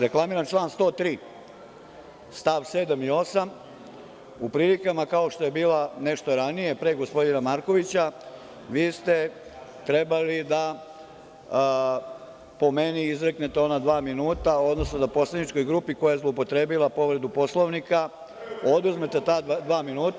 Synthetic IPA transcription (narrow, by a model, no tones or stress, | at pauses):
ɾe̞klˠamiɾant͡ʃlˠaːnst̪o̞ːt̪ɾiː | st̪aʋseːd̪amio̞sam | upɾilikamakao̞ʃt̪o̞je̞biːlane̞ʃt̪o̞ɾanije̞pɾeːɡospo̞d̪inamaɾko̞ʋit͡ɕa | ʋiːst̪et̪ɾe̞balid̪a | po̞meniizɾeknet̪eo̞nad̪ʋaːminuːt̪ao̞d̪no̞snod̪apo̞slenit͡ʃko̞jɡɾupiko̞jajezlˠoupo̞t̪ɾe̞ːbilˠapo̞ʋɾe̞d̪upo̞slˠoʋnika | o̞d̪uzmet̪e̞t̪aːad̪ʋaːminuːt̪a